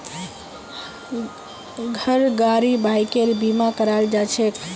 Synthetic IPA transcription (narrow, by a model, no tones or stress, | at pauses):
ɡʱəɾɡaɾibajkeɾbimakəɾald͡ʒat͡ʃʰek